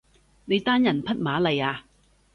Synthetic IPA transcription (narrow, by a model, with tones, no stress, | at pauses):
ne˨˧jt̪aː˥njɐ˨˩npʰɐ˥t̚maː˨˥lɐ˨˧jaː˧